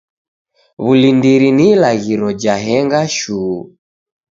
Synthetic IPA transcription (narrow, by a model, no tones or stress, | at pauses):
βulindiɾinilaɣiɾɔd͡ʒaɦɛŋɡaʃu